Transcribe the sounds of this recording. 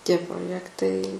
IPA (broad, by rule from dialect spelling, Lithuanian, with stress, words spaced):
ˈtʲiɛ proːˈjæːktɐɪ